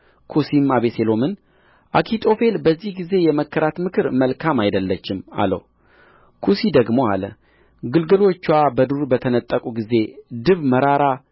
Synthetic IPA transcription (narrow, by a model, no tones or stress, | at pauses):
kʰusimaβeselo̞mɨn | ʔakʰit̪ʰʼo̞fe̞lbəzːihɡize̞jɛməkːəɾat̪mɨkʰɨɾməlkʰamajd̪əlːət͡ʃːɪma̰lə̰w | kʰusid̪əɡmo̞a̰lə̰ | ɡɨlɡɨlo̞t͡ʃːwabəd̪uɾbət̪ʰənət̪ʼːəkʼuɡize̞d̪ɨβməɾaɾa